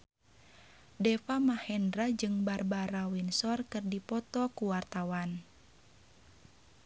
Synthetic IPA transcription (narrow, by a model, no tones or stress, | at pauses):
dɛfamahɛndɾad͡ʒɨŋbarbaɾawinsɔrkɨrdipɔt̪ɔkuwart̪awan